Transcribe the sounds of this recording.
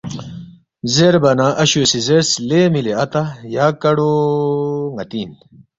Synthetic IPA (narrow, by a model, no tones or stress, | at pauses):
zeɾbɐnaʔɐɕusizeɾslemileɐt̪ajaːkɐɽo | ŋɐt̪iːn